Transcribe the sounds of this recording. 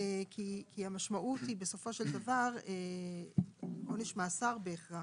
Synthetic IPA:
ekikʰiamaʃmaʔutibe̞so̞fo̞ʃe̞ld̪avaʁe | oneʃmaːsaʁbeːχʁa

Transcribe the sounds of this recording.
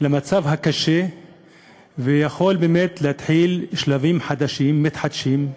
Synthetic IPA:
lamat͡savɦakaʃe | vejaxo̞lbeːmet̪lehat̪ħilʃlavimħad̪aʃimːit̪ħad̪ʃim

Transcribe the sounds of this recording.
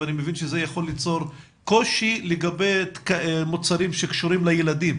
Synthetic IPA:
animevinʃezejaχo̞lːit͡so̞ʁ | ko̞ʃileɡabe̞jtkamot͡saɾimʃekʃuɾimlajeladim

